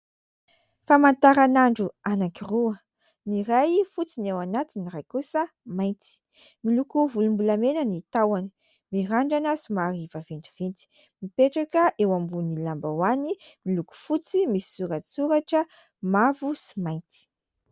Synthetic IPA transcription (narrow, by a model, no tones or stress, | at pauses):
famant̪aɾanaɳɖ͡ʐuanakiruə | niɾajfut͡sinewanat̪inirajkusə | majnt̪i̥ | milukuvulumbulamenənit̪awanə̥ | miɾaɳɖ͡ʐanazumaɾivavent̪i̥v̥ent̪i̥ | mipeʈ͡ʂakəʔewambunilambawanimiluku̥fut͡simisi̥suɾət͡suɾaʈ͡ʂə | mavusi̥majnt̪i̥